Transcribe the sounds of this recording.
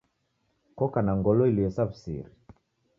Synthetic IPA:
kɔkanaŋɡɔlɔiliɛsafsḭɾi

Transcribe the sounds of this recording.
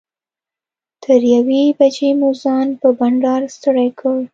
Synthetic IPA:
t̪ʰəɾjawebad͡ʒemozɑnpəbaɳɖɑɾst̪əɽajkʰəl

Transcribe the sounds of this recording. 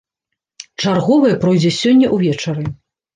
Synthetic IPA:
t͡ʂarɣɔvɐjɛpɾɔjd͡zʲɛsʲɔnʲːɐʔuvʲɛt͡ʂɐɾɨ

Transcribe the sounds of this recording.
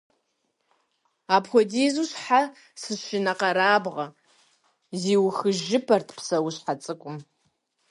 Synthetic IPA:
apʰxʷɔdizuɕħa | sɨʃɪnɐqɐɾaːbʁɐ | ziːwxɨʒɪpʰɐrtʰpsɐwʊɕħat͡sʼɨkʷʼʊm

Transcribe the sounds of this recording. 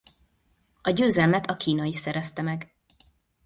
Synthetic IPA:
ɒɟøːzɛlmɛt̪ʰɒkiːnɒjisɛɾɛst̪ɛmɛɡ

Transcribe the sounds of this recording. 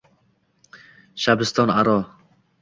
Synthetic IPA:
ʃabɪst̪ɔːnaɾɔː

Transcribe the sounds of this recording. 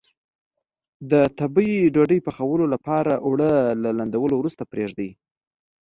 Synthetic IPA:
d̪ət̪abəjiɖoɖəjpəxawəlolapɑɾaʔwɽəlaland̪awəlowɾust̪apɾeʐd̪əi

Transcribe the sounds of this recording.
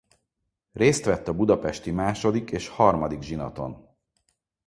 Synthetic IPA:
reːst̪ʋɛt̪ːɒbud̪ɒpɛʃt̪imaːʃo̞d̪ikeːʃhɒrmɒd̪iɡʒinɒ̰t̪o̞̰n

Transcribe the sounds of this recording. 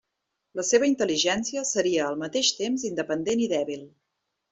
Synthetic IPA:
ləseβ̞əint̪əliʒɛnsiəsəɾiəːlˠmət̪eʃt̪emzind̪əpənd̪eniðɛβilˠ

